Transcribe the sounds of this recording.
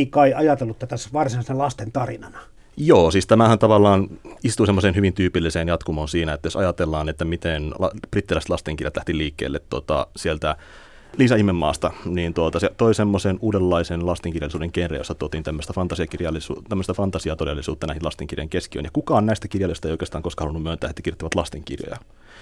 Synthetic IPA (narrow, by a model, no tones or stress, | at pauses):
ikɑiʔɑjɑt̪elːut̪æt̪æsʋɑrsinɑˑsinælɑst̪ent̪ɑrinɑnɑ | joːsiːst̪æmæhænt̪ɑʋɑlːɑːnist̪usemːoseːnhyʋint̪yːpilːiseːnjɑt̪kumonsiːnæet̪ːæjosɑjɑt̪elːɑːnet̪ːæmit̪enɑb̥rit̪ːilæˑst̪lɑst̪eŋkirjɑt̪læht̪iliːkːḛlːet̪tot̪ɑ̰sielt̪æ | liːsɑihmemːɑ̰ːst̪ɑniːnt̪uot̪ɑset̪oisemːosenuːdelːɑisenlɑst̪eŋkirjɑlːˑisuːdeŋkenrḛjosːɑt̪uot̪iːnt̪æmːøst̪æfɑnt̪ɑsiɑkirjɑlːisut̪æmːøst̪æfɑnt̪ɑsiɑt̪odelːisuːt̪ːɑnæihinlɑst̪eŋkirjo̰iŋkeskiø̰njɑkukɑonnæist̪ækirjɑlːˑist̪ɑeijoikest̪ɑːŋkoskɑhɑlunːumønt̪æːhet̪ːækirjot̪ːiʋɑt̪lɑst̪eŋkḭrjo̰jɑ̰